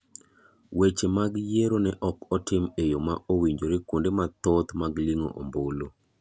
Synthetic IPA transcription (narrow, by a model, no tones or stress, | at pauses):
wet͡ʃemaɡjeɾonɛʔɔkɔtɪmejomaowiɲd͡ʒoɾɪkundemat̪ot̪maɡliŋo̰ʔo̰mbolo